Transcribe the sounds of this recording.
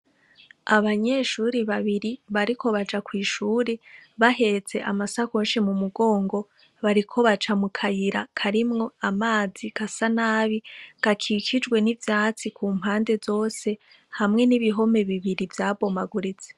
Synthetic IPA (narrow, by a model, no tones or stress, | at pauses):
aβaɲe̞ʃuːɾiβaβiɾiβaɾiko̞βad͡ʒakwiːʃuːɾeβaɦe̞t͡se̞ʔamasakoːnʃimumuɡo̞ːŋɡo̞ | βaɾikʰo̞βat͡ʃamukʰajiɾakʰaɾimŋo̞amaːzikasanaːβiɡ̥akʰikʰid͡ʒɡwe̞nivjaːt͡sikʰuːm̥haːnde̞zo̞ːse̞ | hamŋe̞niβiɦo̞me̞βiβiɾivjaːbo̞maɡuɾit͡se̥